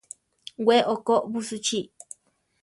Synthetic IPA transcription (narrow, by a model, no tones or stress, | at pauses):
wʷeʔokoʔβusut͡ʃi